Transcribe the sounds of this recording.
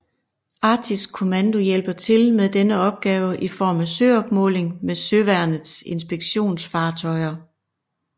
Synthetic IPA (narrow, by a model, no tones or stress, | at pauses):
ʔɑ̈ːt͡sʰiskʰo̝mænd̥o̝jel̰b̥ɐt͡sʰe̝lmeðˠd̥enəɒ̽b̥̚ɡ̥ɛːʊəʔifɒ̰ːmæsøɒ̽b̥mɔ̰̽ːle̝ŋmesøʋæɐnəð̩ˠse̝nsb̥eɡ̥ɕo̝̰ːnsfɑ̈ːt͡sʰɒ̽ɪɐ